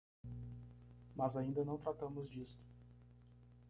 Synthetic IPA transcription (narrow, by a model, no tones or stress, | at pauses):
mazaĩnd̪ɐnɐ̃w̃t̪ɾat̪ɐ̃mʊzd͡ʒist̪ʊ̥